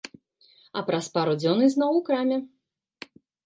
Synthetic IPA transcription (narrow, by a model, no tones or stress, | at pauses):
ɐpɾɐspaɾud͡zʲɔnɨznɔwwkɾamʲɛ